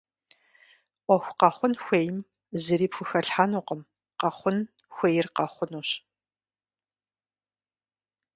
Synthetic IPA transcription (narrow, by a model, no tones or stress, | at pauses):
ʔʷɔxʷqɐχʷʊnxʷeːjm | zɨɾiːpxʷʊxɐɬħaːnuːqəm | qɐχʷʊnxʷejɪrqɐχʷʊnuːɕ